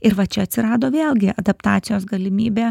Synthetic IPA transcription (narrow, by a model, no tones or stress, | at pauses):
ɪɾʋɐt͡ʃʲɛɐt̪ʲsʲɪɾɑːd̪oːʋʲeːlˠɡʲɪɐd̪ɐpt̪ɑːt̪sʲɪjoːs̬ɡɐlʲɪmʲiːbʲeː